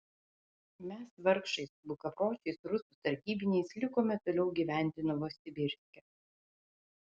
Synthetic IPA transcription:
mʲɛsʋɐɾkʃɐɪsbʊkɐpoːt͡ʃʲɛɪsɾʊsʊt̪ɐɾʲkʲiːbʲɪnʲɛɪslʲɪkoːmʲɛt̪oːlʲɛʊɡʲiːʋʲæˑnʲt̪ʲɪnɔʋoːsʲɪbʲɪɾʲsʲkʲɛ

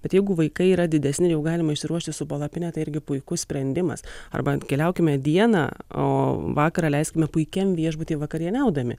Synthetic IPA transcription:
b̥ʲɛt̪jɛɪɡʊʋɐɪkɐɪiːɾɐd̪ʲɪd̪ʲɛsʲnʲɪjɛʊɡɑːlʲɪmɐɪʃsʲɪɾuɔʃʲt̪ʲɪsʊpolˠɐpʲɪnʲɛt̪ɐɪɪɾʲɡʲɪpʊɪkʊssʲpʲɾʲɛnʲd̪ʲɪmɐ̰sɐ̰rbɐkʲɛlʲɛʊkʲɪmʲɛd̪ʲiɛnɑ̰ːo̰ːʋɑːkɐɾɑːlʲɛɪsʲkʲɪmʲɛpʊɪkʲɛmʋʲiɛʒbʊt̪ʲiːʋɐkɐɾʲiɛnʲɛʊd̪ɐmʲɪ̰

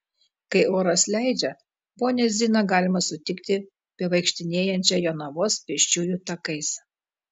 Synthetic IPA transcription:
kɐɪʔoːɾɐslʲæˑɪd͡ʒʲɛ | boːnʲɛzʲiːnɐɡɑːlʲɪmɐsʊt̪ʲɪkt̪ʲɪ | pʲiɛʋɐɪkʃʲt̪ʲɪnʲeːjɛnʲt͡ʃʲɛjoːnɐʋoːspʲɪʃʲt͡ʃʲuːjuːt̪ɐkɐɪs

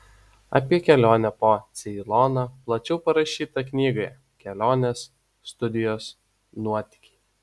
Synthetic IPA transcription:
ɐ̰pʲiɛkʲɛlʲoːnʲɛpoːt̪sʲɪlˠoːnoːplˠɐt͡ʃʲɛʊpɐɾɐʃʲiːt̪ɐknʲiːɡɐjɛ | kʲɛlʲoːnʲeːsː | t̪ʊd̪ʲɪjoːs | nuɔt̪ʲɪ̥kʲi̥ː

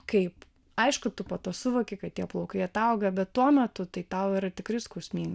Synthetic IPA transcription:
kɐɪp | ɐɪʃkʊt̪ʊpɐt̪oːsʊʋoːkʲɪkɐt̚t̪ʲiɛplˠɐʊkɐɪɐt̪ɐʊɡɐbʲɛt̪tuɔmʲɛt̪ʊt̪ɐɪt̪ɐʊiɾɐt̪ʲɪkɾʲɪskuːsʲmʲiːn

